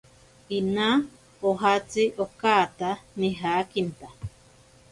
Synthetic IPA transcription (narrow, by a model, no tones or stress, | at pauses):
inã | oɦat͡siʔokaːt̪anĩɦakint̪a